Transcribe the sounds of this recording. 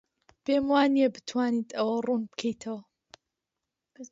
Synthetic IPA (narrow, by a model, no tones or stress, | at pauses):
beːmwaːniebɨt̪ʰwaːnit̪ʰɐwɐrunbɨ̥kʰɐjt̪ʰɐwɐ